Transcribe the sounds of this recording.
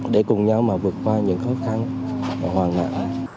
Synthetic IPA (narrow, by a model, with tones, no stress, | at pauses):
ɗe˧˩kʊ˨˩ŋ͡mɲa˧wmaː˨˩vɨ˨˩ət̚kwaː˧ɲɨ̰˧˥ŋxɔ˨˦xa˧nː˧˩ | hwaː˨˩ŋna̰ː˧˨ŋ˧˩